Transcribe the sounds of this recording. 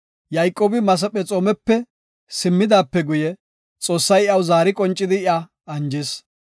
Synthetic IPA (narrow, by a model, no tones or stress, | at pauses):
jɐjkʼːoːbɪmɐs̬ɐpʼɛt͡sʼoːmɛpːɛ | sɪmːɪd̪aːpːɛɡʊjɛ | t͡sʼo̞ːsːɐjɪɐwzaːɾɪkʼɔnt͡ʃʼːɪd̪ɪɪɐ | ɐnd͡ʒɪs